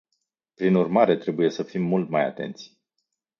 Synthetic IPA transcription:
pɾinurmaɾe̞t̪ɾe̞buje̞səfimːult̪maja̰t̪e̞̰nt̪sʲ

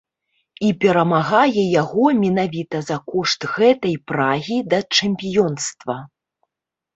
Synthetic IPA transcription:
ipʲɛɾɐmaɣajɛjaɣɔmʲinavʲit̪ɐzɐkɔʂt̪ɣɛt̪ɐjpɾaɣʲid̪ɐt͡ʂɛmʲpʲijɔnst̪vɐ

